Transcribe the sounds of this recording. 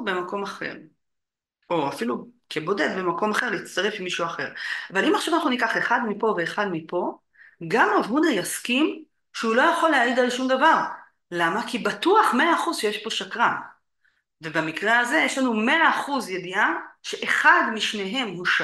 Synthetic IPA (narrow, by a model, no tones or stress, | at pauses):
be̞mako̞maχe̞̰ʁ | o̞afilukʰebo̞d̪e̞d̪bemako̞maχe̞ʁliːt͡st̪aʁe̞fimːiʃuaχe̞ʁavalimaχʃavanaχnunikaχe̞χad̪mipo̞ve̞ːχad̪mipo̞ | ɡamavhunajaskim | ʃeulo̞jaχo̞leaid̪alʃumd̪avaʁ | lamakibat̪uaχme̞aːχuzʃejeʃbo̞ʃakʁa | ve̞bamikʁeaze̞jeʃlanume̞aːχuzjed̪iaʃe̞ʔeχad̪miʃne̞ɦe̞mhuʃ